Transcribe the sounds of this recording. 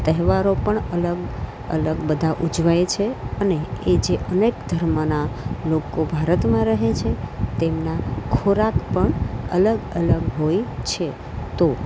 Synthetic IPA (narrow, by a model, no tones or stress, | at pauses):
t̪əɦʋaɾopəɳələɡ | ə̰ləɡbəd̪ʱaʔud͡ʒʋajt͡ʃʰeəneːd͡ʒeʔənekd̪ʱəɾmənalokobʱaɾət̪mãɾəɦet͡ʃʰet̪emnakʰoɾakpəɳələɡələɡɦojt͡ʃʰe | t̪o